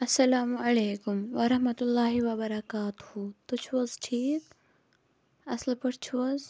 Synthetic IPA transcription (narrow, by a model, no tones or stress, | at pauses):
ɐsːɐlaːmɐleːkʊmʋɐɾɐɦmɐt̪ʊlːaːɦiʋɐbɐɾɐkaːt̪ʊhut̪ut͡ʃʰuɐzʈʰiːk | ɐslpɐɽt͡ʃʰuɐz